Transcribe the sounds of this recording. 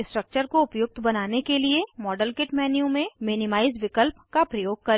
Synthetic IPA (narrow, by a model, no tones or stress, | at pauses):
sʈɾək̚t͡ʃəɾkoʊpjʊk̚t̪ʰbɐnaːnekeliemɔːɖəlkɪʈmɛːnijũmẽmɪːnɪmaːɪzʋɪkəlpkapɾɐjoːɡ̚kɐɾ